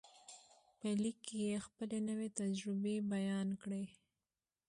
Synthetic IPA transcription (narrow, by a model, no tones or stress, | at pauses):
pəlikːejexpəlenəwet̪ad͡ʒɾɪbebajɑnkɽe